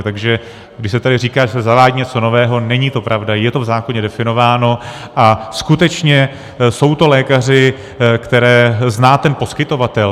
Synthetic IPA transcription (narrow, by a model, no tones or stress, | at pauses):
t̪aɡʒɛ | ɡdɪʃsɛt̪adɪriːkaːʒɛsɛzavaːɟiɲɛt͡so̞no̞vɛːɦo̞nɛɲit̪o̞pɾʔavdajɛt̪o̞vzaːkoɲɛdɛfɪno̞vaːno̞ | ʔaskut̪ɛt͡ʃɲɛ | so̞wt̪o̞lɛːkar̝ɪ | kt̪ɛɾɛːznaːt̪ɛnpo̞skɪt̪o̞vat̪ɛl